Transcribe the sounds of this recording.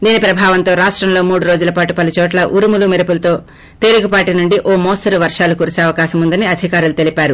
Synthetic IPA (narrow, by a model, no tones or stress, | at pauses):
d̪iːnipɾɐbʱaːʋɐnt̪o̞ːɾaːʂʈɾɐmlo̞ːmuːɽuɾo̞ːd͡ʒulɐpaːʈupɐlut͡ʃɔːʈlɐʔuɾumulumiɾɐpulɐt̪o̞ː | t̪eːɾiɡupaːʈinuɳɖiʔoːmɔːsɐɾuʋɐɾʂaːlukuːɾiseːɐʋɐkaːʃɐmund̪ɐniɐd̪ʱikaːɾulut̪e̞lipaːɾu